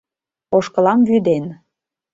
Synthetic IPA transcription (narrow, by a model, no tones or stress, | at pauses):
oʃkə̆lɑmvyd̪en